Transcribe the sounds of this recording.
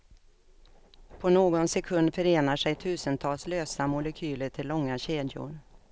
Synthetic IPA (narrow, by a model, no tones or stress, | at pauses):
pʰɔnoːɡɔnsɛkʰɵnd̪fœɾeːnaʂɛjt̪ʰʉ̟ːsənt̪ʰɑːlsløːsamʊlɛkʰyːləʈʰɪlːɔŋːaɕeːd̪jʊ̰ɾ